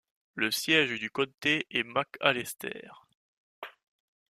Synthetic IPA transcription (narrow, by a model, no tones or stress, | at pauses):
ləsjɛʒd̪ykɔt̪eʔɛmaka̰lɛst̪ɛ̰ːʁ